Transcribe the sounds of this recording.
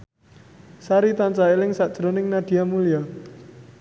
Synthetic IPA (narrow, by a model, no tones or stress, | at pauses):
saɾit̪ant͡ʃaelɪŋsaʔd̥ʒ̥əɾɔnɪŋnad̥i̤jamulia